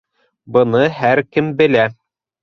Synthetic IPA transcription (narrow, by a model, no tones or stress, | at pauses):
bɤ̆nɤɦæɾkɘmbɘ̆læ